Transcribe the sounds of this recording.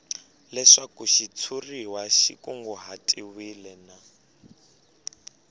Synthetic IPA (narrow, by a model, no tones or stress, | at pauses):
lɛʂakuʃit͡sʰuriwaʃḭkuŋɡɔɦatʼiwilɛna